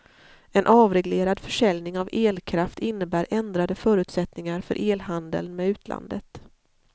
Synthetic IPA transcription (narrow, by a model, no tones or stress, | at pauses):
ɛnʔɑːvɾɛɡleːɾad̪fœʂɛljnɪŋaveːlkʰɾaft̪ɪnːəbæːɾʔɛnd̪ɾad̪əfœːɾʉ̟t̪sɛt̪nɪŋaɾfœ̰ɾʔeːlɦand̪ə̰lnmɛʉ̟ːt̪ʰlʔa̰nd̪ət̪